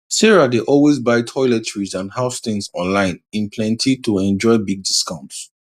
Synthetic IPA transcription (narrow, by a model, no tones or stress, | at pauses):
siɹadeʔɔlwezbaɪtʰɔɪlɛtʰɹizãnhaʊstɪ̃ŋsɔ̰̃nlãɪ̃nĩnpʰlɛ̃ntʰitʰuɛ̃nd͡ʒɔɪbiɡ̚diskãʊ̃nts